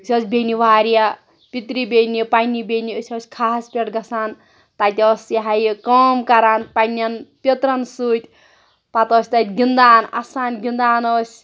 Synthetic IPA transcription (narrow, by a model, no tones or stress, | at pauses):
sʰʲoːsʰʲbeniʋaːɾija | pit̪ɾibenipanibeniəsʰʲoːsʲkʰaːspʲeʈɡɐsaːn | t̪at̪ʲoːsjaɦajkomkaɾaːnpanʲanpʲet̪ɾɐnsuːt̪ʲ | pat̪oːsʲt̪at̪ʲɡind̪aːna̰saːnɡind̪aːnoːsʲ